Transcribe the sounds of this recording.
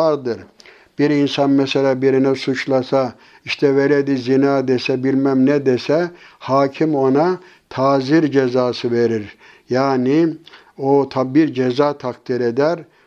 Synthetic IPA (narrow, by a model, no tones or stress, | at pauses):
aɾd̪ɯɾ | b̥iɾinsanmɛselʲabiɾinɛsut͡ʃlˠasa | iʃt̪ʰɛve̞ɾed̪izinaːd̪esɛbilʲmæmnɛd̪esɛhaːcʰimo̞na | t̪ʰaːziɾd͡ʒezaːsɯveɾiɾ | jaːni | ot̪ʰabiɾd͡ʒezaːt̪ʰakt̪ʰiɾed̪æɾ